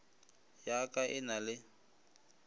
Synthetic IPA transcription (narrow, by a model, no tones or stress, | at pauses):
jakʼaʔɪnalɪ